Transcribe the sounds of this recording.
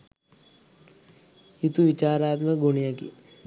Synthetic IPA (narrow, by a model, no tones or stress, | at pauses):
jut̪uʋit͡ʃaːɾaːt̪məɡuɳijakḭ